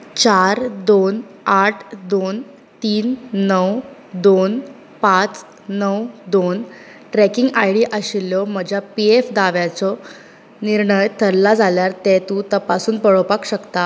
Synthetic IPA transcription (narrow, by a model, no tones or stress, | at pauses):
t͡ɕaɾd̪on | aʈʰd̪on | t̪iːnːəwd̪on | pat͡s | nəwd̪on | ʈɾɛkiŋɡajɽiʔəɕilːɔm̤əd͡ʑʱjapiefd̪aʋjat͡sɔ | niɾɳəjt̪ʰəɾlad͡zʱaljaɾt̪ɛt̪ũt̪əpasuːnpəɭɔpakɕəkt̪a